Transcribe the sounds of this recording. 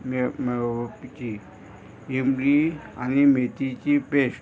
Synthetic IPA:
mempt͡ʃi | imlianimet̪it͡ɕipeʃ

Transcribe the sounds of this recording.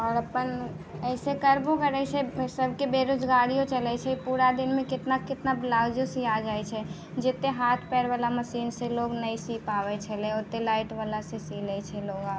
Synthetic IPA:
ɔːɾəpən | ɛɪsekəɾbokəɾɛsesəbʱkebeɾod͡ʒɡaɾijõt͡ʃəlɛt͡ʃʰɛipuɾad̪ɪnmẽkɪt̪nakɪt̪nablaːd͡ʒosiad͡ʒaːɛt͡ʃʰɛ | d͡ʒet̪eɦaːt̪ʰpɛːɽʋalaməsiːnsẽloːɡnəisipaʋɛt͡ʃʰɛleot̪ːelaːɪʈʋalasesilɛt͡ʃʰɛloːɡa

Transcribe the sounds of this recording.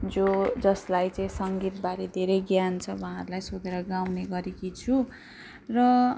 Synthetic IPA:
d͡zod͡zʌslajt͡saĩsʌŋɡit̪baɾed̪ʱeɾejɡjant͡sʰʌwaãʌɾulajsod̪eɾʌɡawneɡʌɾekit͡sʰu | rʌ

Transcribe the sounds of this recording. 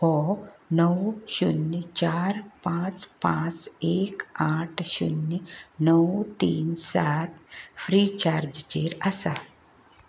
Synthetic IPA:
pɔnəwɕunt͡ɕaːɾpãt͡spãt͡sekaʈʰɕṵnːnəwt̪iːnsat̪fʰɾit͡ɕaɾd͡ʒt͡ɕeɾasa

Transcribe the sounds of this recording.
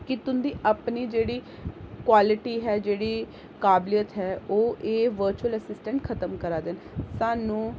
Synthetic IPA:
kɪt̪ʊnd̪iːʔəpniːd͡ʒeːɽiː | kwaːlɪʈiːɦɛːd͡ʒeːɽiː | kaːblijət̪ɦɛːoːʔeːʋəɾt͡ʃuələsɪsʈə̃ɳʈkʰət̪əmkəɾaːd̪ɪn | saːnũː

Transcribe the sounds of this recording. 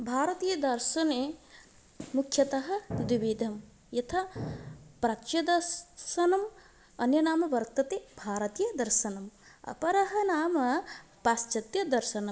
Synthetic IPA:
bʱaːɾɐt̪iːjɐd̪ɐɾʃɐne | mukʰjɐt̪ɐɦɐ̆d̪iʋiːd̪ʱɐm | jɐt̪ʰɐ | pɾɐt͡ʃjɐd̪ɐɾʃɐnɐm | ɐnjɐnaːmɐʋɐɾt̪ɐt̪ebʱaːɾɐt̪iːjɐd̪ɐɾʃɐnɐm | ɐ̰pɐɾɐɦɐ̆naːmɐ | paːst͡ʃɐt̪jɐd̪ɐɾʃɐnɐm

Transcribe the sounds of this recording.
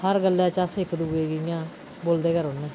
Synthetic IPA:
həɾɡəlːɛ̃ːt͡ʃəseɪkːd̪uɡeːɡijãː | boːld̪eːkəɾonːẽː

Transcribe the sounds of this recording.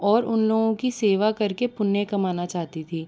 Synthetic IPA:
ɔːɾʊnloːɡõkiseːʋakɐɾkepʊnːekɐmaːnat͡ʃaːɦt̪it̪ʰiː

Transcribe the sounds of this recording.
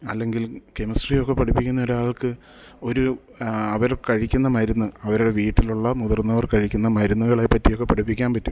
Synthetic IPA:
ɐ̰lːe̞ŋɡilke̞mɐsʈrijo̞kːepɐʈʰipːikʲːunːɐo̞ɾaːɭkɨ | o̞ɾu | ɐʋɐɾkɐɻikʲːunːɐmɐɾunːɨɐʋɐɾuɽe̞ʋiːʈːiluɭːɐmuðɐrnːɐʋɐrkɐɻikʲːunːɐmɐɾunːuɣɐɭajpːɐtːijo̞kːepɐʈʰipːikʲːaːnpɐtːu

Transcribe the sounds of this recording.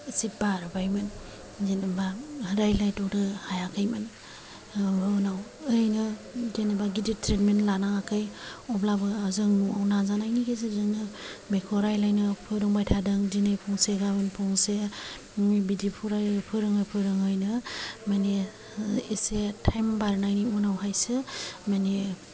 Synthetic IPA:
sit̚baɾɯbajmɯn | zinɯbaɾajlajtɔk̚dɯhajakʰɯjmɯn | bɯwnawɯjnɯdenɯbaɡiditɾetmentlanaŋakʰɯjɔplabɯzɯŋnuawnazanajnikʰezezɯŋnɯmekʰɔɾajlajnɯpʰɯɾɯŋbajtʰadɯŋdinɯjpʰɔŋseɡabɯnpʰɔŋse | bidipʰuɾajpʰɯɾɯŋɯjpʰɯɾɯŋɯjnɯmane | isetʰajmbaɾnajniunawɦajsɯmani

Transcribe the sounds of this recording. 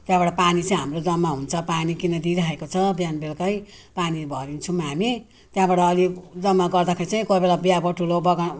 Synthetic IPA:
t̪jãbaɽapanit͡saĩɦamrod͡zʌmːaɦunt͡sʰʌpanikinʌd̪iɾʌɦekot͡sʰʌbjanbelkʌj | panibʱʌɾint͡sʰumɦami | t̪jãbaɽaːlid͡zʌmːaɡʌrd̪akʰeɾit͡saĩkobelabijabʌʈʰulobʌɡa

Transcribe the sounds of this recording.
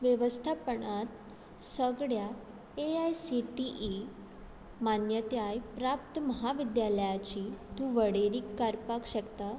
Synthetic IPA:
ʋjəʋəst̪ʰapəɳat̪ | səɡɽja | eajsiʈiʔi | manjət̪eajpɾap̚t̪əməɦaʋid̪jaləjat͡ɕiːt̪ũːʋəɽeɾiːkːaɾpakɕəkt̪a

